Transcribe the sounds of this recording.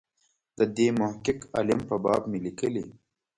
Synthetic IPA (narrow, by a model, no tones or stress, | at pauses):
d̪̥əd̪eːmʊhkɪka̰lɪmpəbɑ̰ːbmelikəli